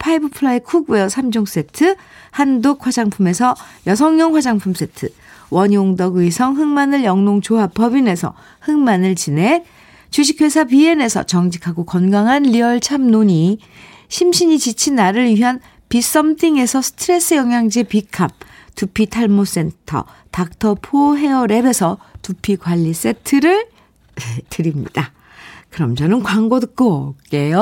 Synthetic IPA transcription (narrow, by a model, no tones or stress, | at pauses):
pʰaibɯpʰɯɭaikʰuɡuʌsʰamd͡ʑoŋs͈e̞ntʰɯ | handok̚hwad͡ʑaŋpʰume̞sʰʌjʌsʰʌŋɲʌŋɸwad͡ʑaŋpʰums͈e̞tʰɯ | wʌɲioŋdʌɡɯisʰʌŋɦɯŋmanɯɭjʌŋnoŋt͡ɕoɦapʌbine̞sʰʌ̰ | hɯŋmanɯɭt͡ɕine̞ | t͡ɕuɕ̬ʰikʰwesʰapie̞ne̞sʰʌ̰t͡ɕʌŋd͡ʑikʰaɡokʌnɡaŋɦanʎiʌɭt͡ɕʰamnoɲi | ɕʰimɕʰiɲit͡ɕit͡ɕʰinːaɾɯɾɥiɦan | pis͈ʌmtʰiŋe̞sʰʌsʰɯ̥tʰɯɾe̞s͈ɯjʌŋjaŋd͡ʑipikʰap̚tupʰitʰaɭmos͈e̞ntʰʌ̰ | tak̚tʰʌpʰoɦe̞ʌɾe̞be̞sʰʌtupʰikwaʎːis͈e̞tʰɯɾɯɭ | tɯɾimɲḭd̥a | kɯɾʌmd͡ʑʌnɯnkwaŋɡodɯk̚k͈ok͈e̞jo